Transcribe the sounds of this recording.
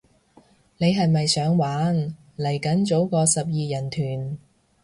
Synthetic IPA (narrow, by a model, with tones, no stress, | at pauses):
ne˨˧jɦɐ˨jmɐ˨jsœː˨˥ŋwaː˨˥n | lɐ˨˩jkɐ˨˥nt͡so˨˥wkɔː˧sɐ˨p̚jiː˨jɐ˨˩nt̪ʰyː˨˩n